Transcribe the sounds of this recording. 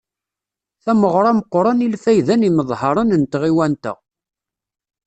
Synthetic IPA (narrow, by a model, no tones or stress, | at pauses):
θæməʁɾˤɑməqːɾˤɑnilfæjðæniməðˤhɑɾˤɑnənt̪ʁiwænt̪ə̰ʁ